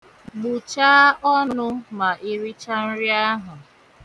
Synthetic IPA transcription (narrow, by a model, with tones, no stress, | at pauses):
ɡ͡bu˨t͡ʃa˦ɔ˦nnʊ˦ma˨ʔi˦ɾi˦t͡ʃa˦n̩˦ɾi˦a˦ɦʊ˨